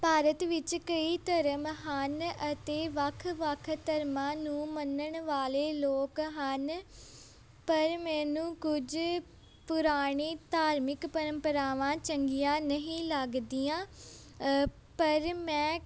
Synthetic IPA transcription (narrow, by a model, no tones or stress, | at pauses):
paːɾət̪ʋɪt͡ʃkəiːt̪əɾəmɦənət̪eːʋəkʰːʋəkʰt̪əɾmãːnũːmənəɳʋaːleːloːkɦən | pəɾmɛ̃ːnũːkʊd͡ʒ | pʊɾaːɽ̃iːt̪aːɾmɪkpəɾə̃mpəɾaːʋãːt͡ʃəŋɡijãːnəɦĩːləɡd̪iːãː | pəɾmɛ̃ː